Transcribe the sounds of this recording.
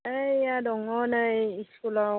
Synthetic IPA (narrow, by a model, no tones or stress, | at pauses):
ɛjadɔŋɔnaisula